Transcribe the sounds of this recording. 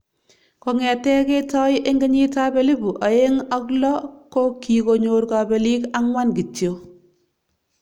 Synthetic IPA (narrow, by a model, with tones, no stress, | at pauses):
kɔ˨ŋɛ˨tɛ˦ke˦tɔ˦jʔe˦ŋɡe˦ɲi˦ta˦be˨˦li˦bu˨ʔa˨e˦ŋa˦klɔ˦ko˦ki˨ko˨ɲo˨ɾka˨be˨li˦ka˦ŋwa˦nɡi˨tjo˨